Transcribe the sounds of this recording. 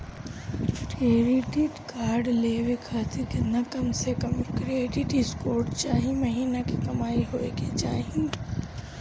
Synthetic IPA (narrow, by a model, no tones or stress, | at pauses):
ʈeːɾiʈiʈkaːɾɖleːʋekʰaːt̪iɾkɪnakɐmsekɐmkɾeːʈiʈiskoːɾʈt͡ʃaːɦĩmɐɦiːnakikɐmaːiɦoːeket͡ʃa̰ːɦĩ